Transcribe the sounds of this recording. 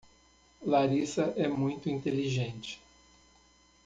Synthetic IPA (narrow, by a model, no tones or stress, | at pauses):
laɾisɐʔɛmũj̃t̪ʊĩnt̪eliʒẽnt͡ʃɪ̥